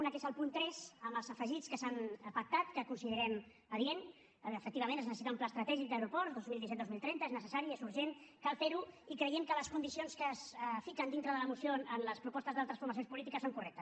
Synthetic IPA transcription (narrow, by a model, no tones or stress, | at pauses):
unəkesəlˠpunt̪ɾɛsəmbəlˠzəfəʒit͡skəsanəpək̚t̪at̪kəkunsiðəɾɛm | əðienː | fək̚t̪iβəmenəznəsəsit̪aumplast̪ɾət̪ɛʒik̚d̪əwɾupɔɾd̪ozmilˠd̪isɛt̪d̪omilˠt̪ɾɛnt̪əeznəsəsaɾiezuɾʒenkalˠfeɾuikɾəjemkələskund̪isionskəsfikənd̪int̪ɾəðələmusioənləspɾupɔst̪əzðalˠt̪ɾəsfuɾməsionspulit̪ikəsoŋkurɛk̚t̪ə̥s